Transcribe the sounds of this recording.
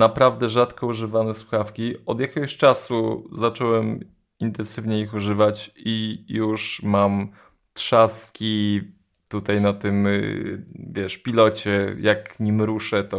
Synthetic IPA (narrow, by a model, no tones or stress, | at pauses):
napɾavd̪ɛʐat̪kɔuʐɘvanɛswuxafkʲiɔd̪jakʲeɡɔɕt͡ʂasuzat͡ʂɔwɛm | int̪ɛnsɘvɲɛixuʐɘvat͡ɕijuʂmam | t̪ʂaskʲi | t̪ut̪ajnat̪ɘm | vʲjɛʂpʲilɔt͡ɕɛjakɲimɾuʂɛt̪ɔ